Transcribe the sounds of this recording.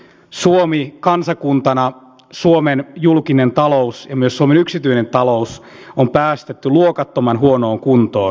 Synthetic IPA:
suomikɑnsɑkunt̪ɑnɑ | suomenjulkinent̪ɑlousjɑmyøsːuomenyksit̪yine̞nt̪ɑlo̞usompæːst̪et̪ːyluokɑt̪ːomɑnɦuono̞ːŋkunt̪oː

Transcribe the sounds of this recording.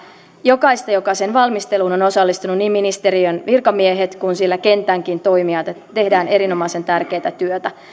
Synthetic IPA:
jo̞kɑjst̪ɑjo̞kɑsenʋɑlmist̪e̞luːno̞no̞sɑlːist̪ununːiːmːinist̪e̞ɾiønʋirkɑmieɦet̪kunsilːæke̞nt̪æŋk̟int̪o̞jmiɑt̪et̪e̞ɦdæːnʔe̞ɾino̞mɑise̞nt̪ærk̟e̞jt̪æt̪yøt̪æ

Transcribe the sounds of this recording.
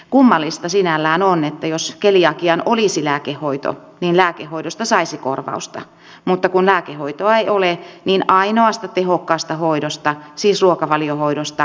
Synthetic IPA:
kumːɑlːist̪ɑsinælːæːnonet̪ːæjoskelijɑkiɑnoliˑsilæːkehhoit̪o̰ | niːnlæːkehːoiɾost̪ɑsɑisiko̰rʋɑ̰ust̪ɑ̰ | mut̪ːɑkunlæːkehoit̪oɑeioleniːnɑinoɑst̪ɑt̪ehokːɑːst̪ɑhoiɾost̪ɑsiːsruokɑʋɑliohoiɾost̪ɑ

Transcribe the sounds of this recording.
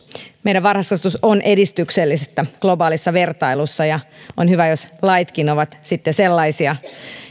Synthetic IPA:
meiɾæʋɑrhɑskɑst̪usonʔe̞dist̪ykselːisest̪ːæɡ̥lo̞bɑːlisːɑʋe̞rt̪ɑilusːɑjɑʔonhyʋæjoslɑit̪kinoʋɑt̪sit̪ːeselːɑisiɑ

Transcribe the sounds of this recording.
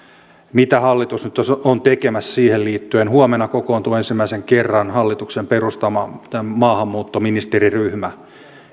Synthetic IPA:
mit̪æhɑlːit̪usnyt̪oont̪ekemæssiːhelliːt̪ːyenhuomenɑkokoːnt̪uensimːæiseŋkerːɑnhɑlːit̪uksemperust̪ɑmɑæmɑːhɑmːuːt̪ːominist̪eriryhmæ

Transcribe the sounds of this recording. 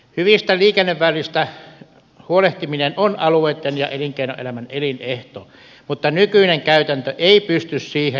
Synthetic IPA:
hyʋist̪æliːkenːeʋʋælˑist̪æ | huoleht̪iminenonɑlueːt̪ːenjɑ̰ʔeliŋkeino̰ʔʔḛlæmænelineht̪o̰ː | mut̪ːɑnykyineŋkæyt̪ænt̪øʔeˑipyst̪yssiːhe

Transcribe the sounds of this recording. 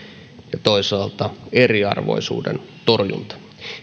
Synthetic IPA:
jɑt̪oisɑːlt̪ɑeriɑ̰rʋo̰isṵːdḛnt̪orjṵnt̪ɑ̥

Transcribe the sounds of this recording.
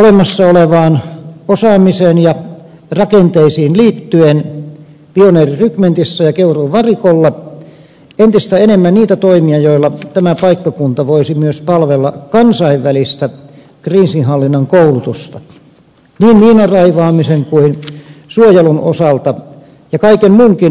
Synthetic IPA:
olemɑsːɑoleʋɑːnosɑːmisenjɑ | rɑkent̪eisiːnliːt̪ːyen | pioneːrirykment̪isːæjɑkeuruʋɑrikolːɑ | ent̪ist̪æenemːænniːt̪æt̪oimiɑjoilːˑɑt̪æmæpɑikːɑkunt̪ɑʋoisimyøspɑlʋelːɑkɑnsɑiʋʋælist̪æ | kriːsinhɑlːinːɑŋkoulut̪ust̪ɑ | niːnmiːnɑrɑiʋɑːmiseŋkuinsuojeluno̰sɑlt̪ɑ | jɑkɑikenmuːŋkin

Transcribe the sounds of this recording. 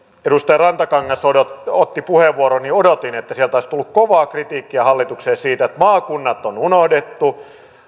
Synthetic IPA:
edust̪ɑjɑrɑnt̪ɑkɑŋːɑsodot̪ot̪ːipuheʋːuoɾoniodot̪inet̪ːæsielt̪oˑist̪ulːukkoʋɑːkrit̪iːkːiɑhɑlːit̪ukseːsiːt̪æet̪mɑːkunːɑt̪ːonunohdet̪ːu

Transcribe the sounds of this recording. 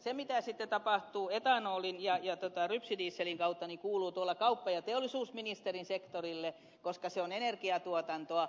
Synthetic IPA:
semit̪æˑsit̪ːet̪ɑpɑht̪uːet̪ɑˑnoːlinjɑjɑt̪ot̪ɑˑrypsidiːsːeliŋkɑut̪ːɑnikuːluːt̪uolːɑkɑupːɑjɑt̪eolːisuːsminist̪erinsekt̪orilːe | koskɑseonenerkiɑt̪uot̪ɑnt̪oɑ

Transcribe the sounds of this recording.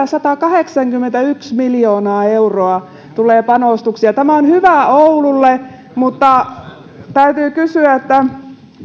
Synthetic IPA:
æsɑt̪ɑkɑheksɑŋkymːent̪æyksmiljoːnɑːeuroɑ | t̪uleːpɑnoˑst̪uksiɑt̪æmæonhyʋæoululːe | mut̪ːɑ | t̪æyt̪yːkysyæet̪ːæ

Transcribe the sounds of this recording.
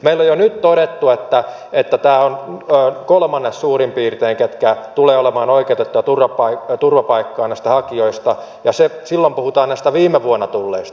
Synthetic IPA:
meilːojonyt̪t̪oɾet̪ːuet̪ːæ | et̪ːæt̪æːonːkolmɑnːessuːrimpiːrt̪eːŋket̪kæt̪uleːolemɑːnoikeut̪et̪ːuɑt̪urʋɑpɑit̪urʋɑpɑikːɑːnæist̪æhɑkioist̪ɑ | jɑsesilːompuhut̪ɑːnnæist̪æʋiːmeʋuonːɑt̪ulːeist̪ɑ

